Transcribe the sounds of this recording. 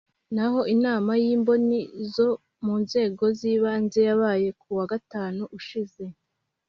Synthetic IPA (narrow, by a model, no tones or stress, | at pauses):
naɦo̞ʔinaːmajiːmbo̞nizo̞ | muːnze̞ːɡo̞ziːβaːnze̞jaβaːje̞kuwaɡataːnuʔuʃize̞